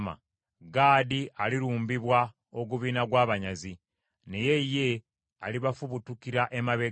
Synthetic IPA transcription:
ma̰ | ɡaːdialiɾuːmbiβwa | oɡuβiːnaɡwaːβaɲazi | ne̞je̞je̞ | aliβafuβutukiɾaʔe̞maβe

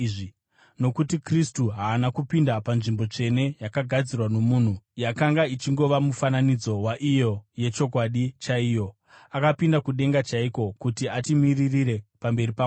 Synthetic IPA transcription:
i | no̞kutikristuɦaːnakupindapanʐimbo̞t͡ʂe̞ne̞jakaɡʱad͡zirwano̞muːn̤ujakaŋɡait͡ʃiŋɡo̞ʋamufananid͡zo̞waʔijo̞je̞t͡ʃo̞k̬waɗit͡ʃaijo̞ | akapindakuɗe̞ŋɡat͡ʃaiko̞kutiatimiririɾe̞pambe̞ripa

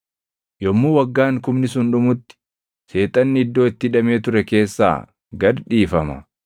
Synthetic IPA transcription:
jɔmːuːwɐɡːaːŋkʊmnɪsʊnᶑʊmʊt̪ːɪ̥ | se̞ːt̪ʼɐnːɪɪd̪ːo̞ːɪt̪ːɪᶑɐme̞ːt̪ʊɾɛke̞ːsːa̰ː | ɡɐɾᶑiːfɐmɐ̰

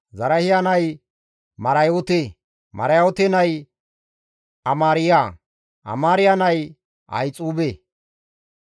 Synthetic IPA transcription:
zɐɾɐhɪjanɐj | mɐɾɐjot̪e | mɐ̰ɾɐjoːt̪enɐj | ɐmaːɾɪja | ʔɐ̰maːɾɪjanɐj | ʔɐ̰jt͡sʼuːbe

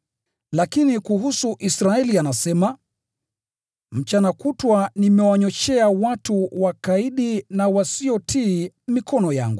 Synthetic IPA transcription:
lakinikuhusuʔisɾaɛlianasɛma | m̩t͡ʃanakutwanimɛwaɲɔt͡ʃɛawatuwakaiɗinawasiɔtʰiː | mikɔnɔja̰ŋɡu

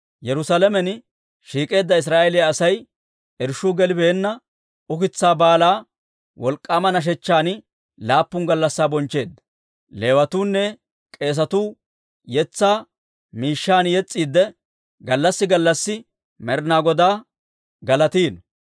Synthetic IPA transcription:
jɛɾʊsalɛmɛn | ʃiːkʼe̞ːd̪ːɐɪs̬ɾaːʔɛlɪjaːsɐj | ɛɾʃuːɡɛlɪbeːnːɐ | ʊkɪt͡sːaːbaːlaː | wɔlkʼːamɐnɐʃ̬ɛt͡ʃːaːn | laːpːʊŋɡɐlːɐsːaːbɔnt͡ʃːe̞ːd̪ːɐ̥ | le̞ːwɐt̪uːnːɛ | kʼe̞ːs̬ɐt̪uː | jɛt͡sːaː | miːʃːaːnjɛt͡sʼːiːd̪ːɛ | ɡɐlːɐsːɪɡɐlːɐsːɪ | mɛɾnaːɡɔd̪aː | ɡɐlɐt̪iːn

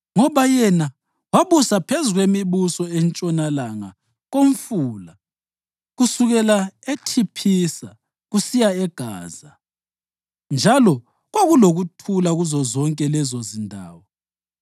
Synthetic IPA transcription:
ŋɔβajɛna | waβusapʰezuɣwemiβusɔɛnt͡ʃʼɔnalaŋa̰ | ɣoɱfuːla | ɣusuɣɛlaetʰipʰisa | ɣusijaɛɡ̥ʱa̰ːza | nd͡ʒʱalɔ | ɣwaɣuloɣutʰulaɣuzɔzɔŋkʼɛlɛzozindʱa̰ːwɔ

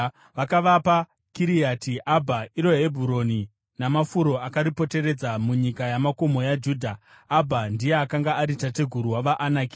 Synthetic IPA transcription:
ʋakaʋapa | kiɾijaːtiʔabʱaiɾo̞ɦe̞bʱuɾo̞ni | namafuɾo̞akaɾipo̞te̞re̞d͡zamuɲikajamako̞mo̞jad͡ʒuːdʱa | abʱandije̞akaŋɡaaɾitate̞ɡʱuɾuwaʋaʔanaːki

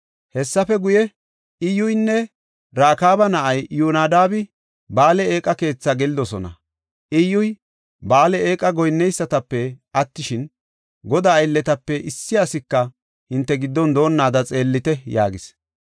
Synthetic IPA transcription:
hɛsːɐfɛɡʊjɛ | ɪjʊjnːɛ | ɾaːkaːbɐnɐʔɐjjuːnaːd̪aːbɪ | baːlɛeːkʼɐke̞ːt͡sːaɡɛlɪd̪ɔsɔnɐ̰ | ʔɪjʊj | baːlɛeːkʼɐɡɔjnːɛjsːɐt̪ɐpːɛʔɐt̪ːɪʃɪn | ɡɔd̪aːjlːɛt̪ɐpːɛʔɪsːɪasɪkːɐ | hɪnt̪ːɛɡɪd̪ːɔnd̪o̞ːnːaːd̪ɐt͡sʼe̞ːlːɪt̪ɛja̰ːɡɪs

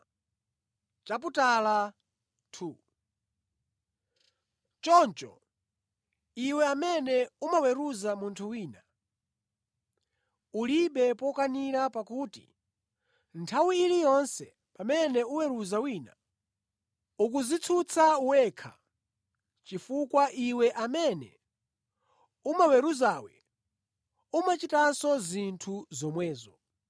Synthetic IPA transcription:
t͡ʃap̬utala | tʰu | t͡ʃɔnt͡ʃɔ̰ | iwɛamɛnɛumawɛɾuzamuntʰuwiːna | uliɓɛpɔkaniɾapakuːtḭ | ntʰawiilijɔnsɛ | pamɛnɛuwɛɾuzawiːna̰ | uk̬uzit͡sʰut͡sʰauwɛːkʰa̰ | t͡ʃifukwaʔiwɛʔamɛnɛ̰ | umawɛɾuzaːwɛ̰ | umat͡ʃitasɔzintʰuzɔmwɛːzɔ

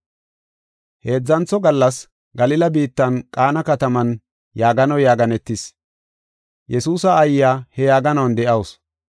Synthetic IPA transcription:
he̞ːd͡zːɐnt͡sːɔɡɐlːɐs | ɡɐlɪlɐbiːt̪ːɐnkʼaːnɐkɐt̪ɐmɐn | jaːɡɐnɐjaːɡɐnɛt̪ːɪs | jʔɛsuːsɐːjjaːhɛjaːɡɐnɐwɐnd̪ɛʔɐws

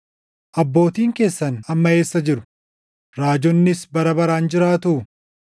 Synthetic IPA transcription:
ʔɐbːo̞ːt̪iːŋke̞ːsːɐnɐmːɐe̞ːsːɐd͡ʒɪɾʊ̥ | ɾaːd͡ʒɔnːɪsbɐɾɐbɐɾaːnd͡ʒɪɾaːt̪ʊː

